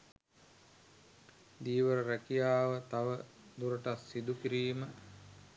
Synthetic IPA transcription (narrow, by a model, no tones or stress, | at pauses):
d̪iːʋəɾəɾækijaːʋət̪aʋə | d̪uɾəʈasːid̪ukiɾiːmə